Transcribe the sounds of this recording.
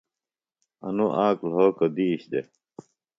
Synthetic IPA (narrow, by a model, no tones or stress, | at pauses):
ɐ̰nuʔaːklɦoːkod̪iːɕd̪e